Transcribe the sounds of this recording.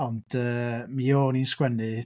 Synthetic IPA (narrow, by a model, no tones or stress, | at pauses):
ɔnd̥əːmijoːniːnskwɛnɨ